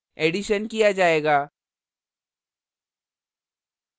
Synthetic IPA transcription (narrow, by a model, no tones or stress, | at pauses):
eːɖiʃənkijad͡ʒaːeːɡaː